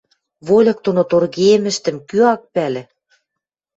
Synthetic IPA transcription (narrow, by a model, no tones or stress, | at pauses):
βolʲɤ̆k̚t̪onot̪orɣeemɘ̆ʃt̪ɘ̆mkyɑk̚pælʲɘ̆